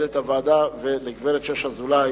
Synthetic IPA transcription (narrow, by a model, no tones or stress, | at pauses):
let̪avaːd̪aveleɡveɾet̪ʃeʃhazula